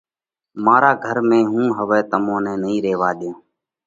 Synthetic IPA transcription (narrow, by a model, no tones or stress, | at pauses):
maːɾaːɡʱəɾmẽːɦũːɦəʋɛːt̪əmõːnɛːnəĩːɾeːʋaːɗ̪jõː